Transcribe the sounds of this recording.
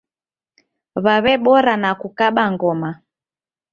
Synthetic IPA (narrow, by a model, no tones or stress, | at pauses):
βaβɛɓɔɾanakukaɓaŋɡɔma